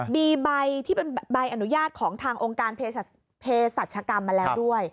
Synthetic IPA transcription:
miː˧ba˧jt̪ʰiː˥˩pe˧nba˧jʔa˧nu˦˥jaː˥˩t̪̚kʰɔː˩˦ŋt̪ʰaː˧ŋʔoː˧ŋkaː˧npʰeː˧˩ | pʰeː˧sa˨˩t̪̚t͡ɕʰa˧ka˧mːa˧lɛː˦˥wdu˥˩əj

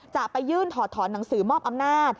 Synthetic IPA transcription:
t͡ɕa˨˩pa˧jːɯː˥˩nt̪ʰɔː˩˦t̪ʰːɔː˩˦nːa˩˦ŋsɯː˩˦mɔː˥˩p̚ʔa˧mnaː˥˩t̪̚

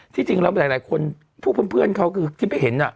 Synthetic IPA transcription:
t̪ʰiː˧˥˩t͡ɕi˧ŋlɛ˧˥maː˧˨˦laː˨˦jkʰo˧n | pʰu˥˩k̚ʰːnpʰɯ˥˩ənkʰa˦˥wkʰɯː˧t̪ʰiː˧˥˩ma˧˥˩ɦe˩˦nʔa˧˩

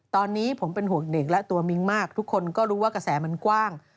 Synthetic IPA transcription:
t̪ɔː˧nːiː˦˥pʰo˩˦mpe˧nɦu˨˩ək̚ne˨˩k̚lɛ˦˥t̪u˧ɐmi˧˥ŋmaː˥˩k̚t̪ʰu˦˥kʰːo˧nkɔː˥˩ɾuː˦˥waː˥˩ka˧sɛː˩˦ma˧nkwaː˥˩ŋ

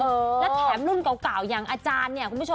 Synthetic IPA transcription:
ʔəː˧˩lɛː˦˥t̪ʰɛː˨˩˦mlu˥˩nka˨˩˦wkaː˨˩wjaː˨˩ŋʔaː˧t͡ɕaː˧nːi˥˩ɐkʰu˧n˧u˥˩o˧

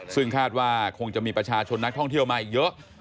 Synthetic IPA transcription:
sɯ˥˩ŋkʰaː˥˩t̪̚waː˥˩kʰo˧ŋt͡ɕa˨ʔmiː˧pɾa˧t͡ɕʰaː˧t͡ɕʰo˧nːa˦˥k̚t̪ʰɔ˥˩ŋt̪ʰi˥˩əwma˧˩jːɤ˦˥ʔ

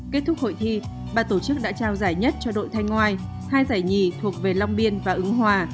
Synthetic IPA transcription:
ke˦˥t̚t̪ʰʊ˦˥k̚ho̰˧˨jt̪ʰi˧ | ɓaː˨˩t̪o˧˩t͡ɕɨ˦˥k̚ɗa̰ː˧˥t͡ɕaː˧wzaː˧˩jɲə˦˥t̚t͡ɕɔ˧ɗo̰˧˨jt̪ʰa˧jŋ̟ŋːwaː˧j | haː˧jzaː˧˩jɲi˨˩t̪ʰu˨˩ək̚ve˨˩la˧wŋ͡mɓi˧ənvaː˨˩ʔɨ˨˦ŋɦwaː˧˩

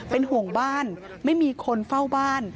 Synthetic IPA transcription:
pe˧nhu˨˩əŋbaː˥˩n | ma˥˩jmiː˧kʰo˧nfa˥˩wbaː˥˩n

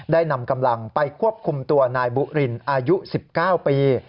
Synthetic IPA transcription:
daː˥˩jna˧mka˧mla˧ŋpa˧jkʰu˥˩əp̚kʰu˧mt̪u˧ɐnaː˧jbu˧˩ʔɾi˧nʔaː˧ju˦˥si˨˩p̚kaː˥˩wpiː˧

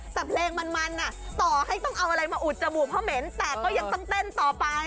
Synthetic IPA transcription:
t̪ɛː˨˩pʰleː˧ŋma˧nma˧nʔa˨˩t̪ɔː˨˩ha˥˩jt̪ɔ˥˩ŋʔa˧wʔa˧ɾa˧jmaː˧ʔu˨˩t̪̚t͡ɕa˧bu˨˩pʰɔː˧˥me˩˦nt̪ɛː˨˩kɔː˥˩ja˧ŋt̪ɔ˥˩ŋt̪e˥˩nt̪ɔː˨˩pa˧

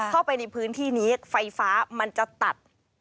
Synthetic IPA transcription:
kʰa˥˩wpa˧jna˧jpʰɯː˦˥nt̪ʰiː˥˩ni˦ə˦k̚fa˧jfaː˦˥ma˧nt͡ɕa˨˩t̪a˨˩t̪̚

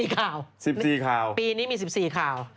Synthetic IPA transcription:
iː˨˩kʰaː˨˩wsi˨˩p̚siː˨˩kʰaː˨˩wpiː˧niː˦˥miː˧s̬i˨˩p̚siː˨˩kʰaː˨˩w

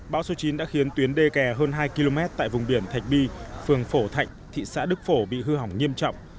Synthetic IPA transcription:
ɓaː˨˦wso˨˦t͡ɕi˨˦nɗa̰ː˧˥xi˨˦ənt̪wi˨˦ənɗe˧kɛ˨˩ɦəː˧nɦaː˧jki˧lo˧mɛ˦˥t̚t̪a̰ː˧˨jvʊ˨˩ŋ͡mɓi˧˩ənt̪ʰa˨˩jk̚ɓi˧fɨ˨˩əŋfo˧˩t̪ʰa˨˩jk̟̚t̪ʰḭ˧˨sa̰ː˧˥ɗɨ˦˥k̚fo˧˩ɓḭ˧˨ɦɨ˧ɦa˨˧˩wŋ͡mŋi˧əmt͡ɕɔ̰˧˨wŋ͡m

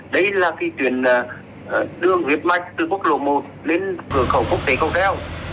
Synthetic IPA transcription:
ɗə˧jlaː˨˩ki˨˧˦t͡ɕ̪wḭ˨˩ənː˨˩˨ | ɗɨ˧əŋzi˨˩ət̚ma˧˩jk̟̚t̪ɨ˨˩ku˦˥ək̚lo̰˧˨mo˨˩t̚le˧nkɨ˧˩əxə˧˩wku˦˥ək̚t̪e˨˦kə˧wŋ͡mt̪ɛ˧˥w

